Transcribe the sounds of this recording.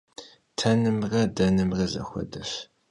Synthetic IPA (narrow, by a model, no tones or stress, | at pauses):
tʰɐnɨmrɐdɐnɨmrɐzɐ̰xʷɔ̰dɐf